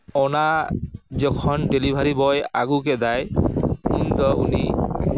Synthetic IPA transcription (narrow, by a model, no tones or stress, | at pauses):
ɔna | d͡ʑɔkʰɔnɖelibʱaɾibɔja̰ɡuk̬ed̪ajunt̪ɔʔuni